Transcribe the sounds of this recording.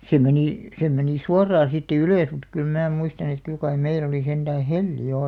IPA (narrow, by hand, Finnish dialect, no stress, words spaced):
se meniˑ se meniˑ suɑrɑː siːtːæ yløˑs mut kyl mæː muistɑn et kyl kɑi meil oli send̥æː helːi jo